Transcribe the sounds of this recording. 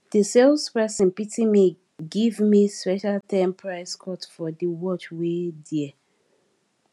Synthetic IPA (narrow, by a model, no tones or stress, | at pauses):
d̥isɛlspɹɛsĩnpitĩmi | ɡivmispɛʃaltʰɛ̃mpʰɹaɪskʰɔtfɔdiwɔt͡ʃwedi